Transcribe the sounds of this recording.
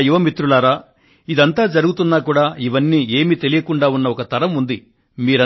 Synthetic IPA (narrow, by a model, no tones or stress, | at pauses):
juʋɐmit̪ɾulaːɾaː | id̪ɐnt̪aːd͡ʒɐɾuɡut̪unːaːkuːɽaːiʋɐnːiːe̞ːmit̪e̞lijɐkuɳɖaːunːɐɔkɐt̪ɐɾɐmund̪i | miːɾɐ